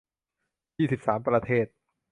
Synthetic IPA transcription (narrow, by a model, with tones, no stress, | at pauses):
jiː˥˩si˨˩p̚saː˩˦mpɾa˧t̪ʰeː˥˩t̪̚